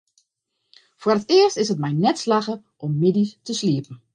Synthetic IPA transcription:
fʊərətɪəstɪsət̚mɛjnɛtslaxə | ʔɔmːɪdistəsliəpn̩

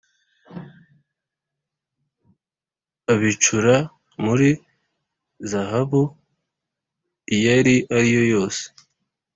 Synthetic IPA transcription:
aβit͡ʃuɾa | muɾi | zaɦaβu | jaɾiʔaɾijo̞jo̞ːse̥

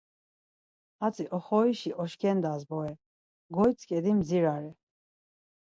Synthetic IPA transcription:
at͡sʼiʔɔχɔiʃiʔɔʃkʰɛnd̪azbɔɛ | ɡɔjt͡sʰʼkʼɛd̪imziɾaɾɛ

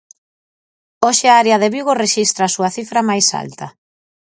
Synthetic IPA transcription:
oʃɪaaɾeɐðeβiɣoreʃist̪ɾaːsuɐθifɾɐmajsa̰lt̪ɐ

